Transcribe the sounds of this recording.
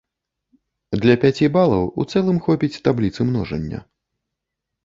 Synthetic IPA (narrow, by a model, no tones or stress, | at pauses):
d̪lʲɐpʲat͡sʲibalˠɐwṵt̪sɛlˠɨmxɔpʲit͡sʲt̪ablʲit̪sɨmnɔʐɐ̰nʲːɐ̰